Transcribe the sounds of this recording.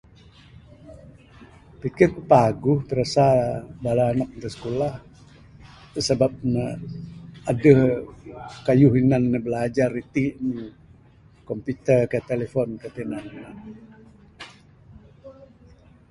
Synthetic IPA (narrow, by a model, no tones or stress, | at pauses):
pikɪrkəpaɡʊht̪əɾasabalanɔk̚nt̪əsə̥kulah | t̪əsəbap̚nə | adəh | kajuhinanːəbəlad͡ʒarit̪iʔni | kɔmput̪ərkət̪elefɔnkət̪inannan